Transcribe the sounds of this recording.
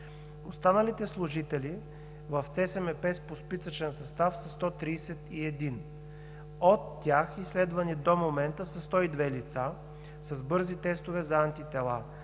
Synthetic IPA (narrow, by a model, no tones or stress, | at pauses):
ost̪anəlit̪ɛslˠʊʒit̪ɛli | vəft̪sɛsɛmɛpɛspospisət͡ʃɛnsɐst̪afsɐst̪ɔt̪ɾiːsɛt̪iɛd̪in | ot̪ːjaxislɛd̪vɐnid̪omomɛnt̪əsɐst̪ɔid̪vɛlit̪sa | sɐzbɤɾzit̪ɛst̪ovɛzɐant̪it̪ɛlˠa̰